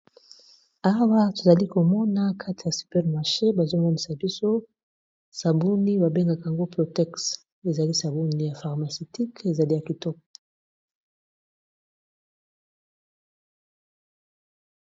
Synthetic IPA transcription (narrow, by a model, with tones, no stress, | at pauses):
a˦wa˦to˨za˨li˦ko˨mɔ˦na˦kʰa˦ti˨ja˨sy̥˨pɛ˦ʁma˨ʃe˦ba˨zo˦mɔ˦ni˨sa˨bi˦so˦ | sa˨bu˦ni˦ba˨be˦ŋɡa˨ka˨a˨ŋɡo˦pʁo˨tɛ˦ks | e˨za˨li˦sa˨bu˦ni˨ja˨fa˨ʁma˨so˨ti˦ke˨za˨li˦ja˨ki˨tɔ˦k̚ɔ̥˨